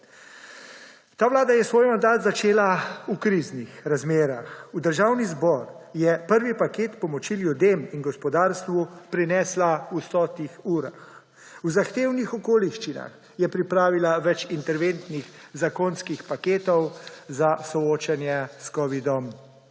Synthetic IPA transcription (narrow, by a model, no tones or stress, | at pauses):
t̪aːʋlaːd̪ajɛsʋoːjmand̪aːt̪zat͡ʃeːlaukɾiznixɾazmeːɾaxud̪əɾʒawnizbɔɾjɛpəɾʋipakeːt̪pɔmɔt͡ʃiljud̪eminɡɔspɔd̪aːɾst̪ʋupɾinɛːslausɔːt̪ixuːɾax | uzaxt̪eːwnixɔkoːliʃt͡ʃina̰x | jɛpɾipɾaːʋilaʋɛt͡ʃint̪ɛɾʋent̪nixzakonskixpakeːt̪ɔwzasɔoːt͡ʃanjɛskɔʋid̪ɔm